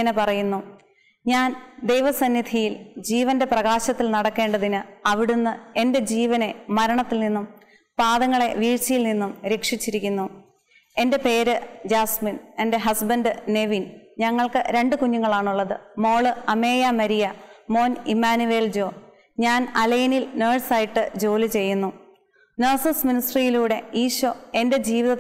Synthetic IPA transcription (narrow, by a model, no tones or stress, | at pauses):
ɐnepɐrɐjunːu | ɲaːnd̪e̞jʋɐsɐnːid̪ʱʰijild͡ʑiːʋɐnde̞prɐɣaːɕɐt̪ːilnɐɽɐkːe̞ːɳɖɐðinɨɐʋiɽunːɨe̞nde̞d͡ʑiːʋɐne̞mɐɾɐɳɐt̪ːilninːum | paːðɐŋːɐɭe̞ʋiːɻt͡ɕːɐjilninːumɾekʂit͡ɕːiɾikʲːunːu | e̞nde̞pe̞ːɾɨd͡ʑaːsmine̞nde̞ɦɐsbɐnɖɨne̞ʋinɲɐŋːɐɭkɨ̰ɾe̞ɳɖɨkuɲːuŋːɐɭaːɳuɭːɐðɨmo̞ːɭɨɐme̞ːjɐmɐɾijɐmo̞ːnimːaːnuʋe̞ːld͡ʑo̞ː | ɲaːnɐlɐjinilneːɖsaːjiʈːɨd͡ʑo̞ːlit͡ɕe̞jːunːu | nɐrsɐsminisʈrijiluːɽe̞iːɕoe̞nde̞d͡ʑiːʋiðɐ